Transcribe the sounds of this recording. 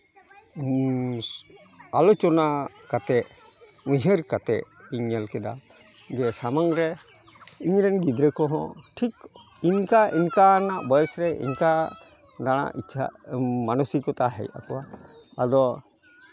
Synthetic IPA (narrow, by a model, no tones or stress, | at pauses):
alɔt͡ʃɔna | kat̪ɛʔ | uɲɦəɾkat̪ɛʔiɲːɛlkɛd̪a̰ | d͡ʒɛsamaŋɾɛ | iɲɾɛnɡid̪ɾɛkɔɦɔ̰̃ʈʰik | iɲkaʔinkanaʔbɔjɛsɾɛʔḭɲka | d̪aɽ̃a̰ʔit͡ʃʰa̰manusikɔt̪aɦɛ̰ja̰kɔwaː | d̪ɔ